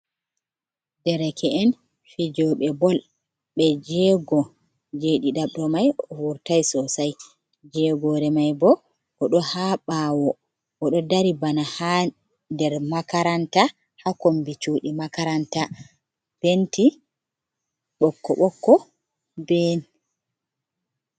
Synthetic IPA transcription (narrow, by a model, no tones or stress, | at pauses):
dɛɾɛkʰɛʔɛn | fid͡ʒɔɓɛbɔl | ɓɛd͡ʒɛɡɔ | d͡ʒeɗiɗaɓɗɔmajɔwuɾtajsɔsaj | d͡ʒɛɡɔɾɛmajbɔ | ɔɗɔhaɓawɔ | ʔɔɗɔdaɾibanaha | dɛɾmakaɾanta | hakombit͡ʃuːɗimakaɾanta | b̥enti | ɓɔkːɔɓɔkːɔ | bɛn